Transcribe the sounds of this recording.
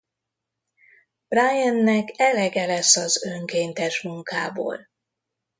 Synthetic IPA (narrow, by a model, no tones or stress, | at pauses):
b̥rajɛnːɛkɛlɛɡɛlɛsːɒzøŋkeːnt̪ɛʃmuŋka̰ːbo̰ːl